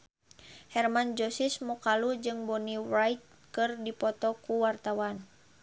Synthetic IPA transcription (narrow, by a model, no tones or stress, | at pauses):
hɛrmand͡ʒɔsismɔkalud͡ʒɨŋbɔniwrajt̪̚ | kɨrdipɔt̪ɔkuwart̪awan